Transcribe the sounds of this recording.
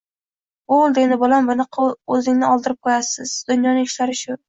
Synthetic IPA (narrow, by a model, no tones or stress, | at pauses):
olˠd̪enɪbɒlambʊnɨqʰɑɵzɪŋnɪɒlˠd̪ɪɾɪp̚kʰojasɪzd̪̥ʊnjɒnɪŋɪʃlaɾɪʃʊ